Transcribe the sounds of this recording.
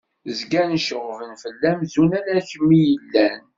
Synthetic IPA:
zɡænʃəʁvənfəlːæmzunælæçəmːijəlːæn

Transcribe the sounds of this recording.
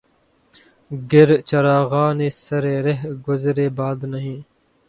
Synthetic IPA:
ɡɪɾt͡ʃɐɾaːɣaːneːsɐɾeːɾeɦɡʊzɾeːbaːd̪nəɦĩː

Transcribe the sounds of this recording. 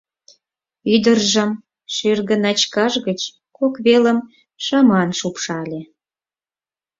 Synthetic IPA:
yd̪ərʒəm | ʃyrɣənɑt͡ɕkɑʒɣət͡ɕ | kokβeləm | ʃɑmɑnʃupʃɑlʲe

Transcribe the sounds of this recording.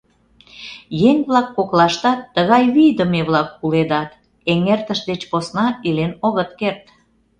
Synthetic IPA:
jeŋβlɑkːoklɑʃt̪ɑt̪ːəɣɑjβijd̪əmeβlɑkːuled̪ɑt̪ | eŋert̪əʃd̪et͡ɕposnɑilenoɣət̪kert̪

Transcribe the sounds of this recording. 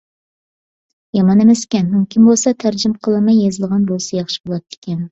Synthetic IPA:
jɑmɑnemɛsɪ̥kʲɛnmymkʲʰinmbolˠsɑt̪ʰæɾd͡ʒɪmqʰəlˠɨmɑjːezɨlˠʁɑnbolˠsɑjɑχʃi̥bolˠɑt̪ːɪ̥kʲɛn

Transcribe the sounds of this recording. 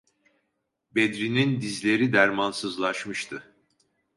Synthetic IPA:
bed̪ɾinind̪izlʲe̞ɾid̪æɾmansɯzlˠaʃmɯʃt̪ʰɯ

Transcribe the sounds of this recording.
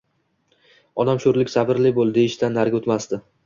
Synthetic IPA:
ɒnamʃoɾlɪkʲsabɪɾlɪbolˠd̪ɪɪʃt̪anːaɾɡʲot̪mast̪ɪ

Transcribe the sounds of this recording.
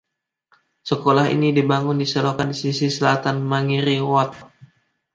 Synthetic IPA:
səkolaɦḭnidibaŋʊndisəlokandisisisəlat̪anmaŋiɾiwat̪̚

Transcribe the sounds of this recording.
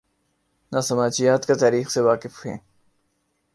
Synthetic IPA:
naːsɐmaːt͡ʃijaːt̪ket̪aːɾiːxseʋaːqɪfhḛ̃ː

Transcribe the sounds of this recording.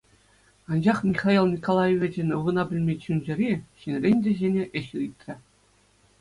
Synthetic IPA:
ɑnd͡ʑɑχmʲiχɑilˠnʲikolˠɑjeʋʲĕd͡ʑenʲɤʋɤ̆nɑbʲɘ̆lʲmʲet͡ɕunʲd͡ʑɘ̆ɾʲiɕinʲrʲenʲdʲĕʑenʲeʔɘ̆ɕit̪ʲrʲɘ̆

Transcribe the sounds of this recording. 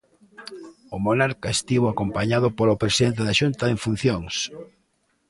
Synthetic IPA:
omonaɾkaest̪iβoakompaɲaðʊpolopɾesiðent̪̬eðaʃunt̪aeɱfun̟θjoŋs

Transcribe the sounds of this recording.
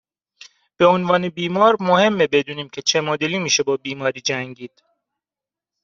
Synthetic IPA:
b̥e̞onvɒːne̞biːmɒːɾmohe̞mːebe̞d̪uːniːmcʰe̞t͡ʃʰe̞mod̪eliːmiːʃe̞bɒːbiːmɒːɾiːd͡ʒæŋɟiːd̪̥

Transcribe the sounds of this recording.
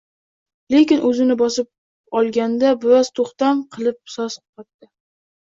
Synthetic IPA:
le̞kʲɪnʔɵzɪnɪbɒsɪp̚ | ɒlˠɡʲand̪abʊɾaz̥t̪ʰoχt̪amqʰɨlˠɪp̚sɒsqqɑt̪ːɪ

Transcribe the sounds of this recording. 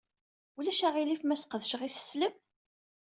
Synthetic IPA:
ulæʃæʁilifmæsqəðəʃʁisə̥sləm

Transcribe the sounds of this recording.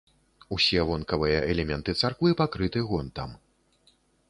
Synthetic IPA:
usʲɛvɔnkɐvɨjɐʔɛlʲɛmʲɛnt̪ɨt̪sarkvɨpakɾɨt̪ɨɣɔnt̪am

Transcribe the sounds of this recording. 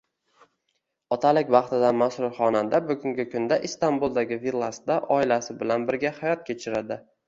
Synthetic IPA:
ɒt̪ʰalɪkʲbɑχt̪ɪd̪anmasɾʊɾχɒnad̪abʊɡʊŋɡʲɪkʰʊnd̪aʔɪst̪ambulˠd̪aɡʲɪvilˠːasd̪aʔɒɪlasɪbɪlanbɪɾɡʲahajɒt̪̚kʲʰe̞t͡ʃʰɪɾad̪ɪ

